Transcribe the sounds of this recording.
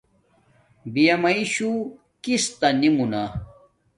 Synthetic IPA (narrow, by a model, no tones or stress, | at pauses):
bijɐmɐiɕu | kist̪ɐnimuna